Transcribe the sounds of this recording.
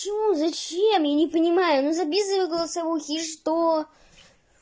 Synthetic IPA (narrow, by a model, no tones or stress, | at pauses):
pət͡ɕɪmuzɐt͡ɕemjanʲɪpənʲɪmajʊnuzɐbʲizəvɨjɡəlˠəsɐvuxʲɪʂt̪o